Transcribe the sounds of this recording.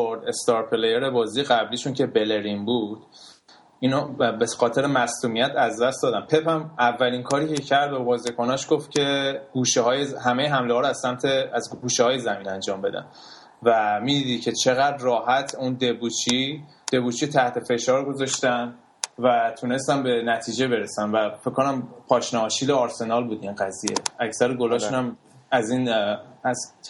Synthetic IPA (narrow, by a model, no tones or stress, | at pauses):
oɾd̪est̪ɒːɾpʰelejeɾe̞bɒːzijeɣæbliːʃuncʰe̞be̞le̞ɾimbud̪̥ | inobexɒːt̪ʰe̞ɾemæsluːmijæt̪ʰæzd̪æstd̪ɒːd̪æmpʰe̞pæmævːæliŋkʰɒːɾiːcʰecʰæɾd̪̚bebɒːzikʰonɒʃɡ̥oft̪cʲʰe̞ɡ̥uːʃehɒːjeɦæmejeɦæmlehɒːɾoæz̥sæmt̪ʰeæzɡuːʃehɒːjezæmiːnænd͡ʒɒːmbe̞̰d̪æ̰n | væmiːd̪id̪icʰe̞t͡ʃʰe̞ɣæd̪rɒːhæt̪ʰund̪ebut͡ʃʰi | d̪̥e̞buːt͡ʃʰit̪ʰæht̪ʰe̞fe̞ʃɒːɾɡo̞zɒʃt̪æn | væt̪ʰune̞st̪ænbe̞næt̪ʰiːd͡ʒe̞be̞ɾesænvæfecʰːo̞næmpʰɒːʃnɒːʃiːleɒɾse̞nɒlbuːd̪inɢæzije̞̰æcʰsæɾeɡo̞lɒʃunæm | æziːnæs